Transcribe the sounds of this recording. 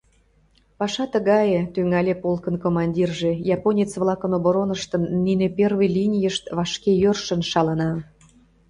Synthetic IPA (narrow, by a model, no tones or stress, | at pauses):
pɑʃɑt̪əɣɑjet̪yŋɑlʲepolkənkomɑnʲdʲirʒejɑponʲet͡sβlˠɑkənoboɾonəʃt̪əmninepervəjlʲinʲijəʃt̪βɑʃkejørʃə̆nʃɑlə̆nɑ